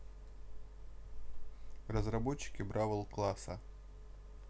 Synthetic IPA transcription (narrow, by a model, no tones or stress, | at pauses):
rəzrɐbot͡ɕːɪ̥kʲɪbɾavəlˠklˠasə